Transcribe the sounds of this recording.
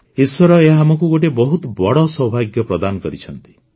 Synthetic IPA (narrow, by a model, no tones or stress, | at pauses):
iswɔɾɔeɦamɔkuɡoʈ̬ebɔɦut̪ɔbɔɽɔsɔbʱaɡjɔpɾɔd̪anɔkɔɾit͡ʃʰɔnt̪i̥